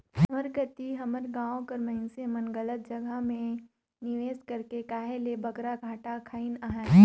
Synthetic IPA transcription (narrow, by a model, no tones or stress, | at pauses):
ɦɐməɾɡət̪iɦɐməɾɡãːõkɐɾmɐɦɪnsemənɡɐlət̪̚d͡ʒɐɡʱəmẽ | nɪʋeːskɐɾkekaːɦelebɐɡɾaɡʱaːʈakʰaːinaːɦɛː